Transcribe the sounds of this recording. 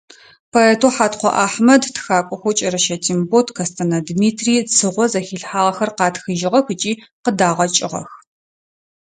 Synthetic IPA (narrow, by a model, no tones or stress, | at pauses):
pʰoeːtʰoħaːtqʷɔ̰ʔaːħmɐdtʰxaːkʷʼɔxʷɔt͡ʃʼɐɾɐʃɐtʰimbotʰkʰɐstʰɐnɐdmiːtʰriːt͡sʰɨʁʷɔzɐxiːɬħaːʁɐxɐrqɑːtxɨʒɪʁɐxɨt͡ʃʼiːqədaːʁɐt͡ʃʼɪʁɐ̰x